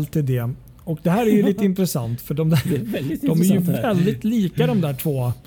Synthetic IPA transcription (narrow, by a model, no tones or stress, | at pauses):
lt̪ʰːiːd̪ɛ | ɔkd̪ɛhæːɾæɾjɵliːt̪əɪnt̪ɾɛsa̰nt̪fœɖɔmd̪æːɾd̪ɔmæɾjjɵvɛld̪ɪt̪liːkad̪ɔmd̪æːʈʰvoː